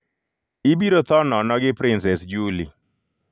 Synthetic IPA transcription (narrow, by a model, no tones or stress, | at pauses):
ibiɾot̪ɔnɔnɔɡɪpɾɪnsɛsd͡ʒulḭ